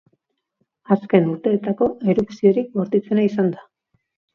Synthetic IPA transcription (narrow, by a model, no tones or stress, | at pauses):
aske̞nuɾt̪e̞ːt̪ako̞e̞ɾuksio̞ɾik̚ɡo̞ɾt̪it͡se̞naisand̪a